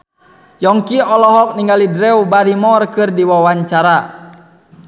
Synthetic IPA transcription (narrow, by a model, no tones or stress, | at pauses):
jɔŋkiɔlɔɦɔk̚niŋɡalidɾɛubaɾimɔrkɨrdiwawaɲt͡ʃaɾa